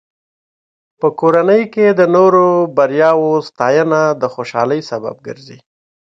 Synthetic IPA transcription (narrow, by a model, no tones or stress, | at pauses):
pəkoɾanəjked̪ənoɾobaɾjɑwost̪ɑjənad̪əxoʃɑ̰ləjsaba̰b̚ɡə̰ɾzḭ